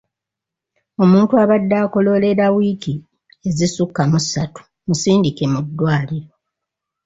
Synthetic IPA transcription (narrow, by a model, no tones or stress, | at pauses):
o̞muːntuaβadːaːko̞lo̞le̞ɾawiːki | e̞zisukːamusatu̥ | musiːndike̞mudːwaːliɾo̞